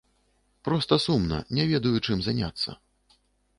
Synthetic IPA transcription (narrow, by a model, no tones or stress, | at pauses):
pɾɔst̪ɐsumnɐ̰nʲɛvʲɛd̪ɐjut͡ʂɨmzanʲa̰t̪sːɐ̰